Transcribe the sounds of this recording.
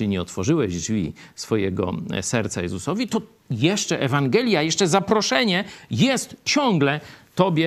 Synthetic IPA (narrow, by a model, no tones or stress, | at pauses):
iɲɛɔt̪fɔʐɘwɛʑd͡ʐvʲisfɔjɛɡɔ̰sɛɾt̪sajɛzusɔvʲit̪ɔ | jɛʂt͡ʂɛʔɛvaŋɡɛlʲjajɛʂt͡ʂɛzapɾɔʂɛɲɛjɛst̪t͡ɕɔ̃ŋɡlɛt̪ɔbʲjɛ